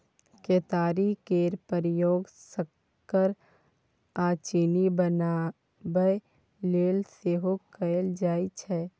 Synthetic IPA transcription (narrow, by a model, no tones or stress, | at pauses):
keːt̪aːɾikeːɾpəɾɪjoːɡsəkː | əɾ | aːt͡ʃinibəna | bəj | leːlseːɦokəld͡ʒaːit͡ʃʰɛː